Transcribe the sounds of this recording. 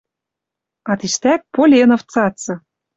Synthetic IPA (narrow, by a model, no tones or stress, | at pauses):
ɑt̪iʃt̪æk̚polʲenŏft͡sɑt͡sɤ̆